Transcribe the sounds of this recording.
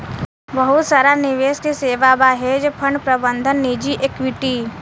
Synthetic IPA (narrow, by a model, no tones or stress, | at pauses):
bəɦʊt̪saːɾanɪʋeːskeseːʋabaɦed͡ʒpʰəɳɖpɾəbənd̪ʱənːid͡ʒiʔekʋɪʈiː